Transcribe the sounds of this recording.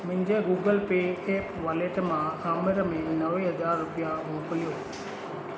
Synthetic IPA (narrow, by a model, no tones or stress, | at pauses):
mʊ̃ɦɪ̃ɲd͡ʑeɡuːɡəlpeːeːpʋaːleːʈmãaːməɾəmẽnɐʋeɦɐzaːɾːʊpijamoːkəlijoː